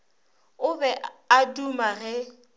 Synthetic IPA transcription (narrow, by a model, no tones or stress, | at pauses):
ʊbɛadumaɣɛ